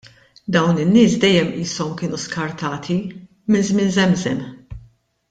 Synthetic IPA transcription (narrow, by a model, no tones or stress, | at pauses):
d̪ɐwnɪnːɪːsd̪ɛjːɛmiːsɔmkɪːnuskɐɾt̪ɐːt̪ʰi | mɪnzmɪnzɛmzɛm